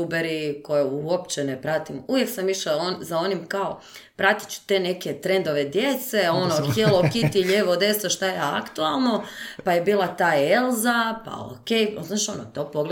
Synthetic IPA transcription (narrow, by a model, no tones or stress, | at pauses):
ubeɾiko̞jeuopt͡ɕenepɾat̪imuʋjeksamiʃaonzao̞nimkao | pɾat̪i̥t͡ʃu̥t̪e̞ne̞ke̞t̪ɾe̞nd̪oʋed̪je̞t̪se̞o̞noxt̪jelokit̪iʎeːʋod̪e̞soʃt̪ajeakt̪ualˠno̞paje̞biːlˠat̪aːelˠzapa̰o̰kejoznaʃonot̪o̞poɡl